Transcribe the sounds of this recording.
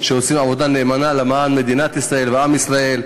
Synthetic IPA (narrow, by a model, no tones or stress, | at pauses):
ʃeosimavo̞d̪ane̞ːmanalamaanme̞d̪inat̪isʁae̞lveamisʁae̞l